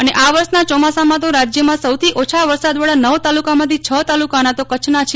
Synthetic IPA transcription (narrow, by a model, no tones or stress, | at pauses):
əneʔaʋəɾsnat͡ʃɔmasamãt̪̬oɾad͡ʒjəmãsəwt̪ʰiʔot͡ʃʰaʋəɾsad̪ʋaɽanəʋt̪alukamãt̪ʰit͡ʃʰət̪alukanat̪okət͡ʃʰnat͡ʃʰ